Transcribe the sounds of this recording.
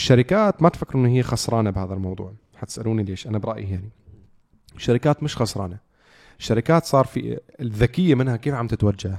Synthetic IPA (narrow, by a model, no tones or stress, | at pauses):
ʃːaɾɪkaːt̪mat̪fakːɪɾʔɪnːɦɪjːaxɑsˤɾˤɑːnabhaːðalmɑwðˤṵːʕ | ħat̪ɪ̥sʔaluːnileːʃʔanabɾˤɑʔjijaʕni | ɪʃːaɾɪkaːt̪mɪʃxɑsˤɾˤɑːna | ɪʃːaɾɪkaːt̪sˤɑːɾˤfḭðːakɪjːamɪnhakeːfʕamt̪ɪt̪wad͡ʒːah